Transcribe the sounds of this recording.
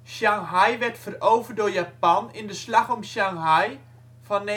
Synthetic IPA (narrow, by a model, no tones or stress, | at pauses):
ʃaŋɦajʋɛrtfərowvədojapɑnɪndəslaxɔmʃaŋɦaj | fɑnːe